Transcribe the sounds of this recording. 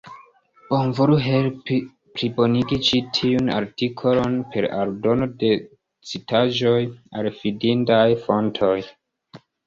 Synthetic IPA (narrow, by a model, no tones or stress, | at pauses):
b̥omvuɾuɦe̞lpi | pɾibo̞niɡit͡ʃitʰiuna̰ɾtikʰo̞lonpʰe̞ɾa̰ɾdo̞no̞de̞ | t͡sitaʒo̞jalfidintajfo̞ntʰo̞j